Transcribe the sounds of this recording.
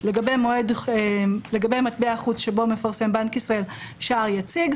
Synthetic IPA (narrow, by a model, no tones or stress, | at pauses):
le̞ɡabe̞jmoed̪ | leɡabe̞jmat̪̚beaχut͡sʃe̞bo̞me̞faʁse̞mbankisʁael | ʃaaʁjat͡siɡ